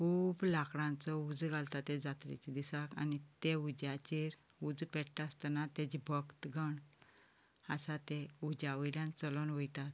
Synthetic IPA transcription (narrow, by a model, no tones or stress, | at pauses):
kʰuːblakɽãnt͡sɔud͡zɡalt̪at̪ẽd͡zat̪ɾḭt͡ɕid̪isaka̰nit̪eud͡ʑat͡ɕeɾ | ud͡zpɛɽʈast̪ənat̪ed͡ʑibʱəkt̪ɡəɳ | asat̪eud͡ʑaʋəljãnt͡səlɔnʋəjt̪at̪̚